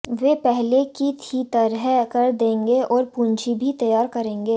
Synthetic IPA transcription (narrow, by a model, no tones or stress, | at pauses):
ʋeːpɛɦlekit̪ʰit̪ɐɾɦɛkɐɾd̪ẽːŋɡeɔːɾpũːɲd͡ʒʰibʱit̪ɐjaːɾkɐɾẽːŋɡeː